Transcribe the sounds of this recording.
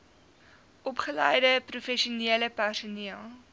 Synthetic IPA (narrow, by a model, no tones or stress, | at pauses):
ʔɔpχəlɛjdəprufɛʃiuniələpærsuniəlˠ